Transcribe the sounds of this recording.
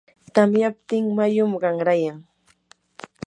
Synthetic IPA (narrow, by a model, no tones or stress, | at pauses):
t̪amjap̚t̪ɪŋmajʊmɢɑŋɾajaŋ